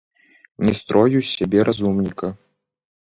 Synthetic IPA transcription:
nʲɛst̪ɾɔjusʲabʲɛɾʔazumnʲikɐ

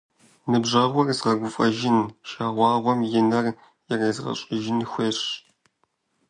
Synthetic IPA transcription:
nɨbʒɐʁʷɔrzʁɐɡʷʊfʼɐʒɪnʃaːʁʷɑːʁʷwʷɔmjɪnɐr | jɛrɐːzʁɐ̰ɕʼɪʒɪnxʷeːʂ

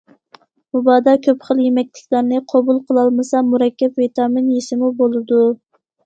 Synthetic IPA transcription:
mubɑd̪ɑkʲʰøpχəlˠjemɛkʲlɪkʲlæɾnɨqʰɑbulˠqʰəlˠɑlˠmɨsɑmuɾɛkʲːɛpvet̪ʰɑmɪnjesɪmubolˠɨd̪u

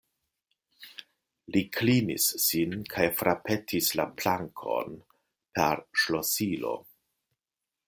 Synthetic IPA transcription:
likʰlinḭsːinkʰajfɾape̞tʰislaplaŋkʰo̞̰n | pʰeɾʃlosilo̞̰

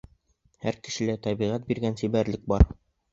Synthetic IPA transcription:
hæɾkɘ̆ʃɘ̆læt̪æβiʁæt̪̚biɾɡænsibæɾlɘk̚bɑɾ

